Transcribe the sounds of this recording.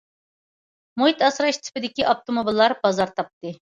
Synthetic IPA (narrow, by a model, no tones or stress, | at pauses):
moit̪ɑsɾɑʃt̪ʰɪ̥pɪd̪ɪkʲiʔɑp̚t̪omobilˠːɑɾbɑzɑɾt̪ʰɑp̚t̪ɨ